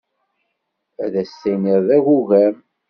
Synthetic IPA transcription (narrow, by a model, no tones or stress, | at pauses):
æðæsːæniɾðæɣuʝæm